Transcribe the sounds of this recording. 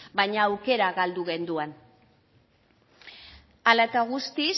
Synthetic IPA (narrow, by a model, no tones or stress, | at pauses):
bajɲaːwke̞ɾaɣald̪uɣe̞nd̪uan | alaet̪aɣust̪is